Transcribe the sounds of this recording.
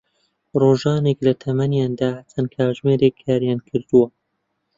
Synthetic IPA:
roːʒɑːneklɐt̪ʰɐmɐnjaːnd̪aːht͡sʰɐnkʰaːʒmeːɾekʰːaːɾjaːnkʰɨɾd̪uwɐ

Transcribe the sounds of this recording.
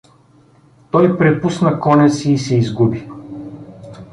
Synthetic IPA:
t̪ɔjpɾɛpusnɐkɔnɛsiːsɛizɡubi

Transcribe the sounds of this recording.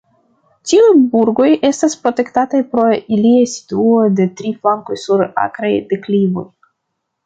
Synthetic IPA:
tiujbuɾɡo̞je̞staspɾo̞te̞ktatajpɾo̞iliajsi̥tuo̞jde̞tɾiflaŋko̞jsuɾa̰kɾajdeklivo̞̰j

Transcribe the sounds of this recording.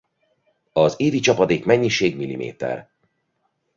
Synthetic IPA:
ɒzeːd̪it͡ʃɒpɒd̪eːkmɛɲːiʃeːɡmilːimʔḛːt̪ɛ̰r

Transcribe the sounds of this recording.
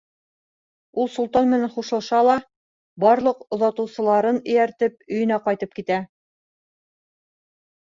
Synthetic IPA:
ulˠsulˠt̪ɑnmɘ̆nænχuʃɤ̆lˠʃɑlˠɑ | bɑɾlˠɤqŏðɑt̪ɤ̆wsɤ̆lˠɑɾɤnɵ̆jæɾt̪ɘp̚ɵ̆jɵ̆næqɑjt̪ɤp̚kit̪æ

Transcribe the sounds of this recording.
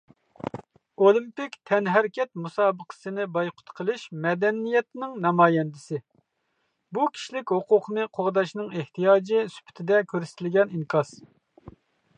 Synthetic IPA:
olˠimpɪkʲt̪ʰɛnɦæɾkʲɛt̪̚musɑːbəqʰə̥sɨnɪbɑjqʰʊ̥t̪qʰəlˠɨʃmɛd̪ɛnːijɛt̪nɪŋnɑmɑːjɛnd̪ɪsɪ | bukʲʰi̥ʃlɪkʲhoqʰʊqʰnɨqʰoʁd̪ɑʃnɨŋeht̪ʰijɑːd͡ʒɪsy̥pʰɪ̥t̪ʰɪd̪ɛkʲʰøɾsɪ̥t̪ʰɪlɡʲɛniŋkʰɑs

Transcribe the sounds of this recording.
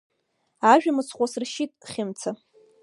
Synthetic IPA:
aʒᶣamɨt͡sʰχʷasrʃitʼχʲɪmt͡sʰa

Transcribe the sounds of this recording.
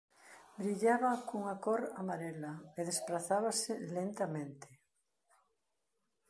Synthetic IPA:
bɾiʎaβakuŋakoɾamaɾelaeðespɾaθaβaselent̪amẽnt̪e̥

